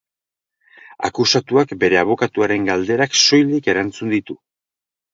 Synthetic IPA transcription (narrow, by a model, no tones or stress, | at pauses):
a̰kusat̪uakbe̞ɾe̞aβ̞o̞kat̪uaɾe̞ŋɡald̪e̞ɾakso̞jlike̞ɾant͡sund̪it̪u